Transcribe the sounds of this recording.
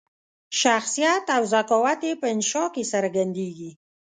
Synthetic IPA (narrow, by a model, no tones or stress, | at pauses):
ʃaxsijat̪awzakɔwat̪epəɪnʃɑkesəɾaɡand̪eɡi